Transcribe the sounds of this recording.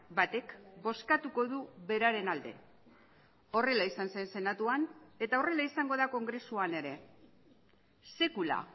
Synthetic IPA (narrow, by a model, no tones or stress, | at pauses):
bat̪e̞kbo̞skat̪uko̞ðuβe̞ɾaɾe̞nald̪e̞̰ | o̞re̞laisanse̞nse̞nat̪uane̞t̪ao̞re̞laisaŋɡo̞ðako̞ŋɡɾe̞suane̞ɾe̞ | se̞kula̰